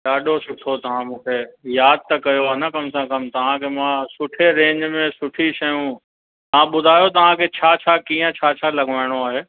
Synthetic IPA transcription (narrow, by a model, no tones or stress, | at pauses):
ɗaːɗosʊʈʰot̪ɐʋ̤ãmũːkʰejaːd̪̚t̪ɐkɐjoaːnɐkɐmsãkɐmt̪ɐʋ̤ãkʰemãsʊʈʰeɾẽːɲd͡ʑmẽsʊʈʰiʃɐjũ | t̪ɐʋãɓʊd̪ʱaːjot̪̬ɐʋ̤ãkʰet͡ɕʰaːt͡ɕʰakiːə̃t͡ɕʰaːt͡ɕʰalɐɡʱʋaːɪɽ̃oaːɦeː